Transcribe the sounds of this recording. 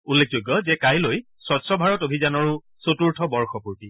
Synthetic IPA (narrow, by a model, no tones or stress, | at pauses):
ulːek̚ʰzojɡːɔzɛkajloj | sɔtsɹɔbʱaɹɔtobʱizanɔɹʊ | sotuɹtʰɔbɔɹxɔpuɹti